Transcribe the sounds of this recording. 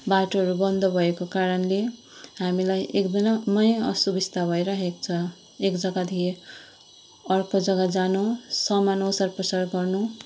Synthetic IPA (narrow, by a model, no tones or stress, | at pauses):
baʈoʌɾubʌnd̪ʱʌbʱʌekokaɾʌnle | ɦamilajʔekd̪ʌnamʌjʌ̰subist̪abʱʌjɾaɦekt͡sʰʌ | ekd͡zʌɡad̪ʱie | ʌrkod͡zʌɡad͡zanusʌmanosarprʌsarɡʌrnu